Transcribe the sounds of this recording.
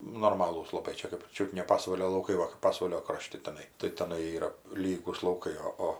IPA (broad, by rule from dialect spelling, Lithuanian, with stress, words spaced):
nʊ noːrˈmɑːlˠuːs lˠɐˈbɐɪ ˈt͡ʃʲɛ kɜp ˈt͡ʃʲʊt nʲɛ ˈpɑːsʋɐlʲoː lˠɐʊˈkɐɪ ˈʋɐ kɜp ˈpɑːsʋɐlʲoː ˈkroːʃʲtʲɪ tʲɛˈnɐɪ tɐɪ tʲɛˈnɐɪ ˈiːrɐ ˈlʲiːɡuːs lˠɐʊˈkɐɪ oː ˈoː